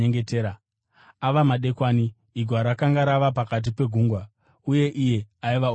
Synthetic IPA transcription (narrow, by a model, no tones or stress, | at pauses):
eŋɡeteːɾa | aʋamaɗe̞kwaːniː | ɡʱwaɾakaŋɡaɾaʋapakat̬ipe̞ɡʱuːŋɡwa | uje̞ʔije̞aiʋa